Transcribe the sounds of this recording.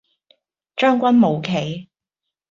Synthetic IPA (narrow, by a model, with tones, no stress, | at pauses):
t͡ʃœː˥ŋkʷɐ˥nmo˨˧wkʰe˨˩j